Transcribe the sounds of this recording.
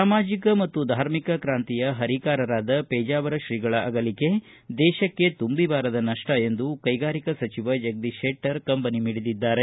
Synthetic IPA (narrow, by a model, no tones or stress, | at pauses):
ssaːmaːd͡ʒikɐmɐt̪ːud̪ʱaːɾmikɐkɾaːnt̪ijɐɦɐɾikaːɾɐɾaːd̪ɐpɛːd͡ʒaːʋɐɾɐʃɾiːɡɐɭɐʔɐɡɐlike̞ | d̪ɛːʃɐkːe̞t̪umbibaːɾɐd̪ɐnɐʂʈɐe̞nd̪ukɐjɡaːɾikɐsɐt͡ʃiʋɐd͡ʒɐɡ̚d̪iʃeːʈːɐɾkɐmpɐnimiːɽid̪id̪ːaːɾe̞